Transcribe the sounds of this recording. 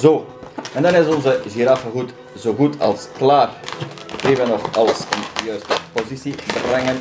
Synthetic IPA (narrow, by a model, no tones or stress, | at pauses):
zoːɛnd̪ɛnɪzɔ̃nzəʒiɾafəɣut | zoɣutʰɑ̰lˠsklˠaːr | kivɛnɔχɑlˠəsənjøsəpozisibərɛŋən